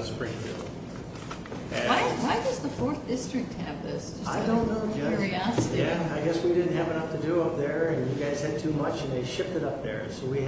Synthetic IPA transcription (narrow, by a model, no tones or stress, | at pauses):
zb̥ɹɪ̃ŋfḭlˠd | waɪwaɪd͡ʒʌzðəfɔɹθd̥ɪstɹ̥ɨk̚tʰɨvðɪsd͡ʒʌaɪdõʊ̃nːoʊd͡ʒɛɹiɑsɨɾjæaɪɡɛswidɪdⁿn̩t̚ɦɨvɨnʌftʰɨdɨʌp̚ðə˞ɨ̃njɨɡaɪz̥ɨd̚tʰʉmʌt͡ʃɨ̃nðeɪʃɪp̚tɨɾʌp̚ðə̰˞soʊwi